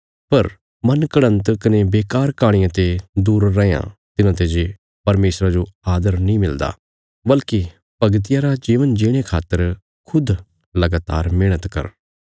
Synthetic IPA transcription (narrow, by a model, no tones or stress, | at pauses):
pɐɾ | mɐnkəɽ̃ə̃nt̪kɐnebeːkaːɾkaːɽ̃ɪjãt̪ed̪uːɾːɛjã̰t̪ɪnãːt̪ed͡ʒe | pɐɾmeːsɾad͡ʒoaːd̪əɾnĩːmɪld̪a̰ː | bɐlki | pɐɡt̪̬ɪjaɾad͡ʒiːʋənd͡ʒeːɽ̃ekʰa̰ːt̪ːəɾ | kʰʊd̪ | lɐɡaːt̪a̰ːɾmeːɽ̃ət̪kɐ̰ɾ